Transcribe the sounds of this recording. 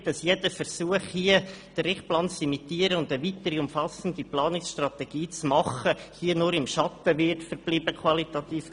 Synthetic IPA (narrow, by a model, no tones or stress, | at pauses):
d̥ɑsjɛd̥əfərsuəχhiə | d̥əɾɪχtplɑnsimit̪iəɾəʊndəʋit̪əɾiʊmfɑsən̩diplɑːnɪksʃtrɑt̪ɛɡ̥iːt͡smɑχəhiənʊɾɪmʃɑt̪əʋɪrtfəɾb̥liːbəkʰwɑlit̪ɑt̪iːf